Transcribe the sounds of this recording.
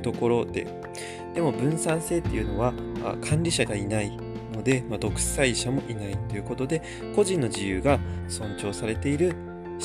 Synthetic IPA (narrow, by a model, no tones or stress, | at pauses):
t̪o̞ko̞ɾo̞d̪e̞̰ | d̪̥e̞mo̞bɯ̟̃ɰ̃sãɰ̃se̞ːt̪ːejɯ̟no̞βa | a̰kʰãnɾʲiɕaɡainai | no̞d̪e̞mad̪o̞kɯ̟̥saiɕamo̞ʔinait̪ːo̞jɯ̟ko̞t̪o̞d̪e̞ | ko̞ʑĩnːo̞d͡ʑijɯ̟ːɡasõ̞ɲt͡ɕo̞ːsaɾe̞t̪e̞iɾɯ̟